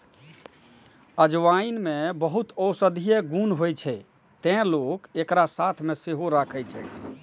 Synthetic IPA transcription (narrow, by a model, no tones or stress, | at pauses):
əd͡ʒʋainmebəɦut̪əwsəd̪ʱijeɡunɦojt͡ʃʰɛ | t̪ɛ̃lokekɾasat̪ʰmeseɦoɾakʰɛjt͡ʃʰɛ̰